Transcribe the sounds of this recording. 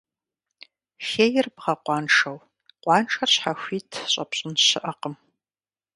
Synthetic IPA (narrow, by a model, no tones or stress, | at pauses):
xeːjɪrbʁɐqʷɑːnʂɐw | qʷʼɑːnʈ͡ʂʰʼɐrɕħaxʷiːtʰɕʼɐpɕʼɪnɕɪʔɐqəm